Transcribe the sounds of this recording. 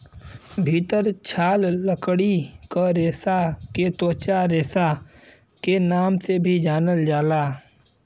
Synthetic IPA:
bʱiːt̪əɾt͡ʃʰaːlːəkɽikəɾeːsaket̪oːt͡ʃaɾeːsa | kenaːmsebʱid͡ʒaːnəld͡ʒaːlaː

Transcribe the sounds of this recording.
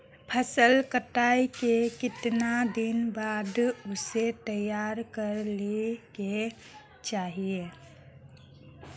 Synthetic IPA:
pʰəsəlkəʈaːikekɪt̪nad̪ɪnbaːd̪ʊset̪əjːaːɾkəɾleke | t͡ʃaːɦie

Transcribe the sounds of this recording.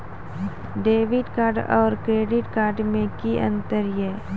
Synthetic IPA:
ɖeːʋɪɖkaːɾɖɔ̰ːɾkɾeːɖɪʈkaːɾɖmẽkiʔə̰̃nt̪əɾjɛː

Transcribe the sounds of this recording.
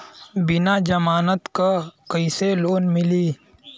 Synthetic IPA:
bɪnaːd͡ʒɐmaːnət̪kakəiseloːnmɪliː

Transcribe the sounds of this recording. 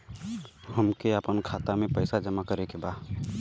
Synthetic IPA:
həmkeəpənkʰaːt̪amẽpəɪsad͡ʒəmakəɾekeba

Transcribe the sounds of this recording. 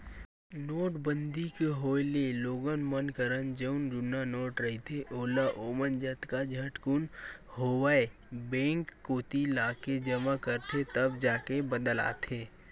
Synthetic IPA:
noːʈbə̃nd̪ikeɦoːjleloːɡənmənkəɾənd͡ʒəʊnd͡ʒʊnanoːʈɾəɦit̪ʰeʔoːlaʔoːmənd͡ʒət̪kad͡ʒʱɐʈkʊnhoːwae | bẽːŋkːoːt̪ilaːked͡ʒəmakəɾt̪ʰet̪əbd͡ʒaːkebəd̪əla̰ːt̪ʰeː

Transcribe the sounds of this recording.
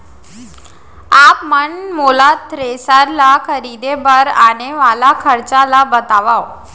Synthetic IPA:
apməɳmolat̪ːɾesaɾlakʰəɾid̪ebəɾaɽ̃eʋalakʰəɾt͡salabət̪aʋaw

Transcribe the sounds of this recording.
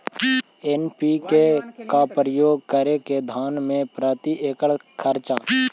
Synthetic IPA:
enpikekapɾəjoːɡ̚kəɾeked̪ʱaːnmẽpɾaːt̪iʔeːkəɭkʰəɾt͡ʃa

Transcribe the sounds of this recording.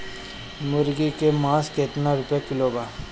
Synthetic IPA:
mʊɾɡikemaːskeːt̪nãɾʊpjekɪloːbaː

